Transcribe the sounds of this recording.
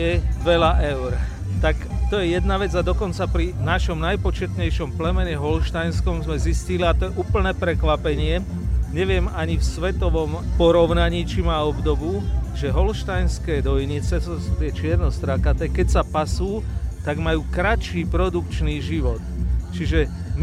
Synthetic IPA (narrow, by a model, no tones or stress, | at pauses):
ɛʋɛlaʔɛʊɾ | t̪akt̪ɔjɛjɛd̪naʋɛd͡zad̪ɔkɔnt͡sapɾinaʃɔmnajpɔt͡ʃɛt̪ɲɛjʃɔmplɛmɛɲɛɦɔlʃt̪ajnskɔmzmɛzisciliat̪ɔjɛʔuːpl̩nɛːpɾɛkʋapɛɲɪɛ | ɲɛʋɪɛmaɲifsʋɛt̪ɔʋɔmpɔɾɔʊnaɲiːt͡ʃimaːɔbd̪ɔbuʒɛɦɔlʃt̪ajnskɛːd̪ɔjɲit͡sɛssut̪ɪɛt͡ʃɪɛɾnɔst̪ɾakat̪ɛːkɛcsapasuːt̪aɡmajuːkɾat͡ʃiːpɾɔd̪ukt͡ʃniːʒiʋɔt̪t͡ʃiʒɛ | m